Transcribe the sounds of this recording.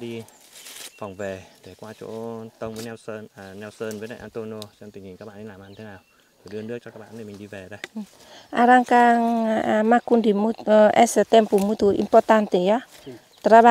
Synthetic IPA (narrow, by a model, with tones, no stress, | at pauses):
ɗi˧ | fa˨˩wŋ͡mve˨˩ɗe˧˩kwaː˧t͡ɕo̰˧˦t̪ə˧wŋ͡mvəː˨˦nɛ˧wsə˧n˨nɛ˧wsəː˧nvəː˨˦na̰˧˨ʔa˧nt̪o˧no˧t͡ɕɔ˧ŋ͡mt̪i˨˩ŋ̟hi˨˩ŋkaː˦˥k̚ɓ̰aː˧˨ɗi˧laː˨˩ma˧ɲi˧e˨˦naː˨˩w | o˨˩ɗɨ˧ənɗɨ˦˥ək̚t͡ɕɔ˧kaː˦˥k̚ɓa̰ː˧˨nɗe˨˩mï˨˩ŋɗi˧ve˨˩ɗə˧j | ʔa̰˧ɾaŋkaŋma˧ku˧nd̪i˨mu˦t̪ʔɛ˧sə˨t̪ɛ˧mpu˨mu˦t̪u˨ʔḭ˧mpɔrt̪a˧nt̪e˨ja˦ | t̪ə˧ɾa˧ɓa˧